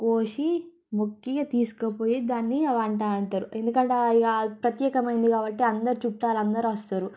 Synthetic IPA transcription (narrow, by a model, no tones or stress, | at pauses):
koːʂi | mukːɐɡat̪iːsu̥kɐpo̞ːjid̪aːnːiʋaːɳʈaːɐɳʈaːɾue̞nd̪ukɐɳʈeɡapɾɐt̪jɛːkɐmɐjind̪ikaːbɐʈːiɐnd̪ɐɾit͡ʃuʈːaːlɐnd̪ɐɾiʋɐst̪aːɾu